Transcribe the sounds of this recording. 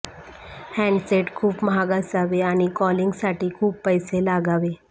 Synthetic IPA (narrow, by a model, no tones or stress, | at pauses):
hɛ̃ɳɖseʈkʰuːpməɦaɡasaʋeaɽ̃ikɔliŋɡsaʈiːkʰuːpːəjselaɡaʋe